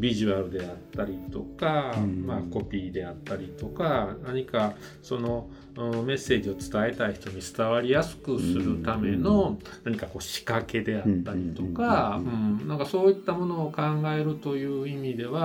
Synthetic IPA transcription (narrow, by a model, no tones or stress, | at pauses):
bʲiʑɨaɾɯ̟d̪e̞at̪ːaɾʲit̪o̞kamako̞pʲiːd̪e̞at̪ːaɾʲit̪o̞kanaɲ̟ika | so̞no̞ | ɯme̞sːe̞ːʑio̞t͡sɨ̥t̪ae̞t̪aiçi̥t̪o̞ɲ̟it͡sɨ̥t̪aβaɾʲijasɨ̥kɯ̟sɨɾɯ̟t̪ame̞no̞ | naɲ̟ikako̞ːɕi̥kake̞d̪e̞at̪ːaɾʲit̪o̞kaɯ̟̃ɴnãŋkaso̞ːit̪ːamo̞no̞ːkãŋɡae̞ɾɯ̟t̪o̞jɯ̟ːimʲid̪e̞βa